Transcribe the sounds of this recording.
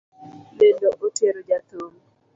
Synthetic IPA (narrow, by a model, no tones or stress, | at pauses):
ledoʔoteɾod͡ʒat̪om